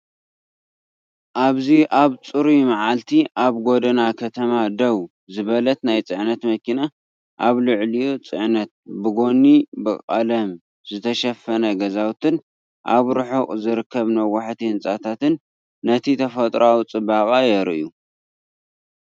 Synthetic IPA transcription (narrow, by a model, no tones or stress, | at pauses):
ʔaβziʔaβt͡sʼɨɾimaʕalt̪ʰiʔaβɡo̞d̪ɐnakʰɐt̪ʰɐmad̪ɐw | zɨβɐlɐt̪najt͡sʼɨʕnɐt̪mɐkina | ʔaβlɨʕlijut͡sʼɨʕnɐt̪̚bɨɡo̞nibɨkʼa̰lɐm | zɨt̪ʰɐʃɐfːɐnɐɡɐzawt̪ʰɨn | ʔa̰βɾɨħukʼzɨɾɨkʰːɐβnɐwːaħt̪ʰihɨnt͡sʼat̪ʰat̪ɨnː | ɐt̪ʰit̪ʰɐfɐt̪ʼɾawt͡sʼɨbakʼajɛɾʔu